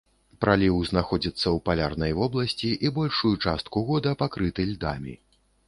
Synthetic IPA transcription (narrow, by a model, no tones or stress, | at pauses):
pɾʔalʲiwznaxɔd͡zʲit̪sːɐwpalʲarnɐjvɔblˠɐsʲt͡sʲiʔibɔlʲʂujut͡ʂast̪̚kuɣɔd̪ɐpakɾɨt̪ɨlʲd̪a̰mʲḭ